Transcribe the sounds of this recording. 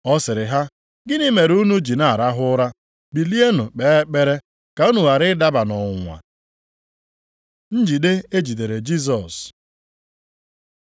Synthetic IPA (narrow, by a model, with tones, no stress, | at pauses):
ɔ˦sɪ˨ɾɪ˨ɦa˦ | ɡɪ˦ni˦me˨ɾu˦nu˦d͡ʒi˨na˦˨ɾa˦ɦʊ˦ɾa˦ | bi˨li˦e˦nʊ˨k͡pe˨˦k͡pe˦ɾe˦ | ka˨u˦nu˨wa˨ɾɪ˦da˦ba˨nɔ˨ŋʷa̰˨ | n̩˦d͡ʒi˨de˦e˦d͡ʒi˨t̬e˨ɾe˨d͡ʒi˦s̬ɔ˨s